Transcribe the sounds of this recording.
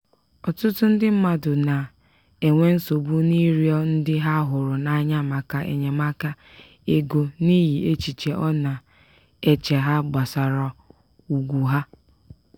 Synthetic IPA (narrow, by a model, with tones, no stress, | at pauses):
ɔ˨tʊ˦tʊ˦n̩˦dɪ˦m̩˦ma˨dʊ˨na˨ | e˨ŋʷe˦n̩˦so˨bu˦ni˦ɾjɔ˦n̩˦dɪ˦ɦa˦ɦʊ˨ɾʊ˨na˨ɲa˦ma˨ka˨ʔḛ˨ɲe˨ma˦ka˦ | e˦ɡo˨ni˦ɦi˨e˦t͡ʃi˨t͡ʃe˨ʔɔ˦na˨ | e˦t͡ʃe˨ɦa˦ɡ͡ba˨sa˨ɾɔ˨ | u˨ɡʷu˨ɦa˦